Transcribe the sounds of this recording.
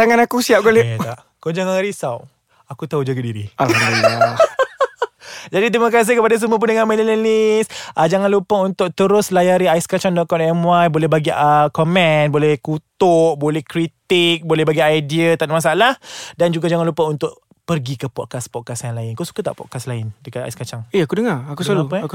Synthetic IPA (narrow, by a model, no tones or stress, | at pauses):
t̪aŋanakusiap̚ɡolet̪aʔ | kod͡ʒaŋaŋaɾisaw | akut̪aud͡ʒaɡadiɾiʔaia | d͡ʒadit̪̬ɾimakas̬ɪkəpadas̬əmũəp̬undəŋanmɛlələlisʔəd͡ʒaŋanlupaunt̪ʊk̚t̪əɾʊslajaɾiaiskat͡ʃɔndɔʔ̪̚kɔnɛmwajbolɛhbaɡiəkɔmɛ̃nbolɛhkut̪ʊʔbolɛhkɾit̪ik̚bolɛhbaɡiajdiət̪amas̬aalahdand͡ʒuɡad͡ʒaŋanlupaunt̪ʊʔ | pərɡikəpɔt̚kaspɔt̚kasjaŋlaɪnkasu̥kat̪a̰ʔpɔ̰t̚kaslaɪndəkata̰iskat͡ʃaŋeakudəŋaakusalapaak